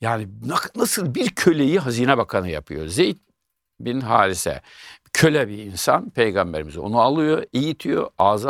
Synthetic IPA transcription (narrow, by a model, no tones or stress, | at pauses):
jaːninanasɯlˠbiɾcʰø̞lʲejiɦaziːnɛbakʰanɯja̰pʰɯjozejt̪̚ | binɦaːlʲisɛ̰cʰø̞lʲɛbiinsa̰npʰejɡambeɾimizo̞̰nualˠɯjoijit̪ʰijo̰aːza